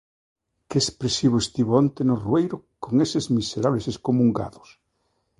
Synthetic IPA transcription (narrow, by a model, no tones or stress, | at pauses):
keespɾesiβ̞oest̪iβoont̪enoruejɾokoŋesɪzmiseɾaβleseskomuŋɡa̰ðʊs